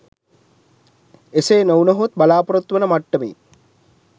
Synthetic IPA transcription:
eseːnownɐɦut̪balaːpuɾɐt̪ʋənəmaʈːəmḭː

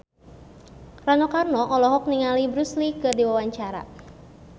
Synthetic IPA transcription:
ranɔkarnɔʔɔlɔɦɔk̚niŋalibɾuslikɨrdiwawaɲt͡ʃaɾa̰

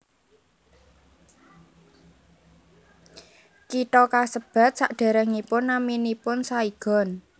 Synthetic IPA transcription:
kit̪ɔkasəb̥a̤t̪̚saʔɖ̥a̤ɾəŋipʊnːaminipʊnsaiɡ̥ɔ̤n

